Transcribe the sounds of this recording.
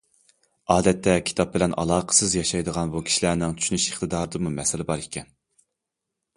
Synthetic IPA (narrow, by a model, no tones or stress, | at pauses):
ɑːd̪ɛt̪ːɛkʲʰi̥t̪ʰɑp̚bɪlɛnʔɑ̰lˠɑːqʰə̥sɨzjɑʃɑjd̪əʁɑnbukʲʰi̥ʃilæːnɪŋt̪t͡ʃʰy̥ʃynyʃeχt̪ɨd̪ɑːɾɨd̪ɨmumɛsɪlɪbɑɾikʲʰɛn